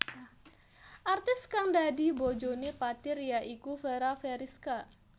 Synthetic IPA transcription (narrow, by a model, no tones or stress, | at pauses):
ʔart̪ɪskaŋdadibod͡ʒonepat̪ɪrjaʔikufeɾafɛɾɪska